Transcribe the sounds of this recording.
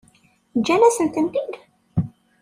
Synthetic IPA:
d͡ʒænæsənt̪ənt̪id̪

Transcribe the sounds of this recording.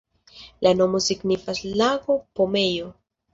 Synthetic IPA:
lano̞mo̞siɡnifaslaɡo̞pomejo̞

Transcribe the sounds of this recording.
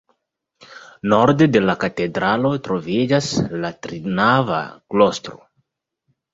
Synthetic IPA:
no̞ɾde̞de̞lakate̞dɾalo̞tɾo̞vid͡ʒaslatɾinava̰klo̞stɾo̰

